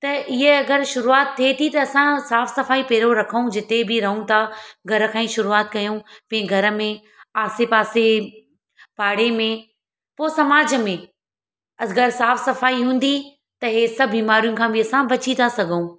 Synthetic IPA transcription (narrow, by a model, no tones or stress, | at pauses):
t̪ɐʔɪɦeɐɡəɾʃʊɾuaːt̪ʰːiet̪ʰit̪ɐɐsãsaːfsɐfaːipɛːɾoɾɐkʰəũd͡ʑɪt̪ebɪɾɐɦũt̪ʰaɡʱɐɾə̆kʰãːĩːʃʊɾuaːt̪kɐjũpɐ̃ẽɡʱɐɾə̆mẽ | aːsepaːse | paːɽemẽ | poːsɐmaːd͡ʑə̆mẽ | ɐɡɐɾsaːfsɐfaːiɦũːn̆d̪i | t̪ɐɦesɐbʱbiːmaːɾijʊ̃kʰãːbɪɐsãbɐt͡ɕit̪ʰasɐɡʱũ